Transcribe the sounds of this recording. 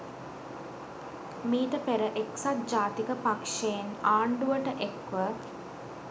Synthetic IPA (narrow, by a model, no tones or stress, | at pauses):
miːt̪əpeɾəʔeksat̪̚d͡ʒaːt̪ikəpakʂejenaːɳɖuʋəʈəʔekʋə